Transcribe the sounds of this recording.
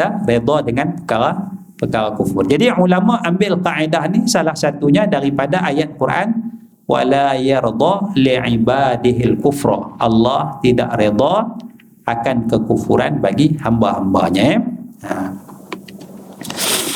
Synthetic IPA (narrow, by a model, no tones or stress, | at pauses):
ared̪ˤɑdəŋanpə̥kaɾa | pəkaɾakufʊrd͡ʒadiʕulamaʔambɪlqaʔedahnihsalahsat̪uɲadaɾipadaʔajat̪̚kuɾʔa̰n | wa̰lajɑɾd̪ˤɑliʕibadɪɦɪlkufɾ̰ʔɑ̰lːɑht̪ida̰ʔɾed̪ˤɑ | ʔakankəkufuɾanbaɡihambahamba̰ɲajaa